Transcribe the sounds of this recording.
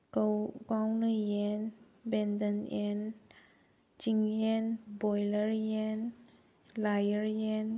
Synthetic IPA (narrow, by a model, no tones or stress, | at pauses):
kkawnɯjɛn | bɛndənʔɛn | t͡ʃiŋjɛnbɔjləɾjɛn | lajəɾjɛn